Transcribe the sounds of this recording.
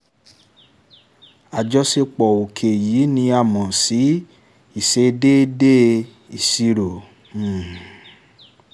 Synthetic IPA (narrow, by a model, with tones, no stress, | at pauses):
a˨d͡ʒɔ˧se˧k͡pɔ˨o˨kʰe˨jiː˨˦nĩ˧a˦˨mɔ̃˨si˨˦ | i˦˨se˧de˦de˦ | i˨si˧ɾo˨